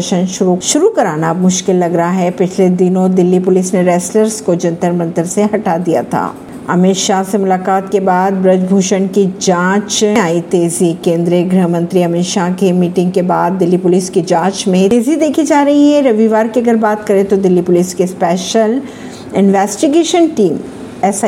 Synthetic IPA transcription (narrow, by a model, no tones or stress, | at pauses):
ʃənʃʊɾuʃʊɾukɐɾaːnaːbmʊʃkɪlːɐɡɾɐɦaɦɛpɪt͡ʃʰled̪ɪnõd̪ɪlːipʊlɪsneɾɛːsləɾskod͡ʒɐ̃nt̪əɾmɐ̃nt̪əɾseɦɐʈad̪ija̰t̪ʰa̰ː | ɐ̰mɪːʃasemʊlaːkaːt̪kebaːd̪bɾɐd͡ʒbʱuːʃənkid͡ʒãːt͡ʃaːit̪eːzikẽːnd̪ɾiəɡɾəɦmə̃nt̪ɾiɐmeːʃakemiːʈɪ̃ŋɡ̚kebaːd̪̚ːɪlːipʊlɪsked͡ʒãːt͡ʃmẽeːzid̪eːkʰid͡ʒaːɾɐɦiɦɛ̃ɾɐʋiʋaːɾkiɐɡəɾbaːt̪kɐɾẽt̪od̪ɪlːipʊlɪskespɛːʃəl | ɪnʋɛːsʈiɡeːʃənʈiːm | ɛːsa